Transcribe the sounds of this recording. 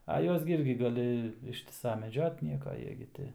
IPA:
ɐ ˈjuɔs ɡʲɪ ˈɪrʲɡʲɪ ɡɐˈlʲɪ ˈɪʃʲtʲɪsɐ mʲɛˈd͡ʒʲoːt ˈnʲiɛkɐ ˈjiɛ ɡʲɪ ˈtʲɪ

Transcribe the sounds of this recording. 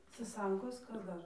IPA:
sɐˈsɐŋkoːs ˈkɐs ˈdɐr

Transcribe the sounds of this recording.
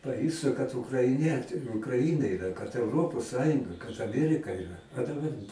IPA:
pɐˈjʊstʊ kɐt ʊkrɐɪˈnʲiɛt ʊkrɐˈɪnɐ ɪˈrɐ kɐt ɛʊˈroːpoːs ˈsɑːjʊŋɡɐ kɐt ɐˈmʲiɛrʲɪkɐ ɪˈrɐ ɐ dɐˈbɐr

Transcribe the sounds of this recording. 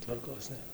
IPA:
tʋɐrˈkoːs nʲeːˈrɐ

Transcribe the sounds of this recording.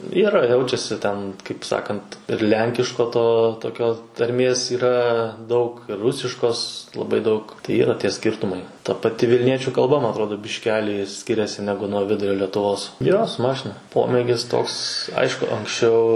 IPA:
ˈiːrɐ ˈjɛʊt͡ʃʲɛsʲɪ tʲɛn kɐɪp ˈsɑːkɐnt ɪr ˈlʲɛŋʲkʲɪʃkoː ˈtoː toːˈkʲoː tɐrʲˈmʲeːs iːˈrɐ dɐʊk ɪr ˈrʊsʲɪʃkoːs lˠɐˈbɐɪ dɐʊk tɐɪ ˈiːrɐ ˈtʲiɛ ˈsʲkʲɪrtʊmɐɪ tɐ pɐˈtʲɪ ʋʲɪlʲˈnʲiɛt͡ʃʲʊ kɐlˠˈbɐ mɐ ɐtˈroːdoː bʲɪʃʲˈkʲæːlʲiː ˈsʲkʲɪrʲɛsʲɪ ˈnʲæːɡʊ nuɔ ˈʋʲɪdʊrʲoː lʲɛtʊˈʋoːs ˈjoː sʊ ˈmɑːʃʲɪnɐ ˈpoːmʲeːɡʲɪs ˈtoːks ˈɐɪʃkʊ ɐŋksʲˈt͡ʃʲɛʊ

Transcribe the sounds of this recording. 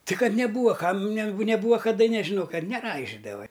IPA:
tʲɪ ˈkɐt nʲɛˈbuːʋɐ ˈkɐm nʲɛ nʲɛˈbuːʋɐ kɐˈdɐ nʲɛʒʲɪˈnoː ˈkɐt nʲɛˈrɐɪʒʲɪdɐʋɐ

